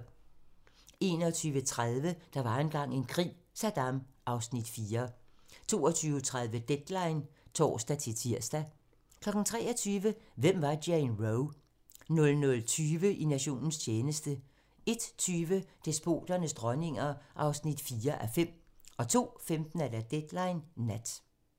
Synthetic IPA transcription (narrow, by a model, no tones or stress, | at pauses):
e̝ːnɒt͡sʰyːʋət͡sʰʁað̞ˠʋəd̥ɑ̈ʋɑ̈enɡ̥ɑ̈ŋ̰e̝nkʰʁḭː | sæd̥ɑ̈mʔɑ̈ʊsnid̥fiːɐt͡sʰo̝̰ːɒt͡sʰyːʊt͡sʰʁað̞ˠʋəd̥ed̥lɑ̈ɪnt͡sʰɒ̰ːsd̥æt͡sʰe̝t͡sʰiɐ̰sd̥æ | kʰlɒ̽ɡ̥n̩t͡sʰʁɛ̰ːɒt͡sʰyːʋəʋem̰ʋɑ̈denʁoʊ | nɔ̽lnɔ̽lt͡sʰyːʋəʔinæɕo̝̰ːnn̩st͡ɕʰeːnəsd̥ə | e̝d̥t͡sʰyːʋəd̥e̝sb̥o̝̰ːd̥ɐnəsd̥ʁɒne̝ŋɐʔɑ̈ʊsnid̥fiːɐʔæfem̰ɒ̽t͡sʰo̝̰ːfemd̥n̩æd̥æd̥ed̥lɑ̈ɪnːæd̥